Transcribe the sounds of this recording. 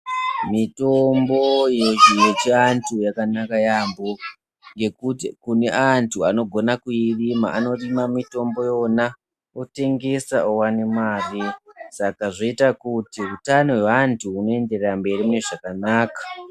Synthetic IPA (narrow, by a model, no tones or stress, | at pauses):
mito̞mbo̞jojet͡ʃiantʰujakanakajaːmbo | ŋɡe̞kukune̞ʔantʰuano̞ɡʱo̞nakuirima̰ʔːno̞rimamito̞mbo̞jo̞na | ote̞ŋɡe̞saowane̞mwaːrisakaʐoitakutiutano̞weʋantʰuːno̞e̞nde̞rerambe̞rimune̞ʐakanaːkḁ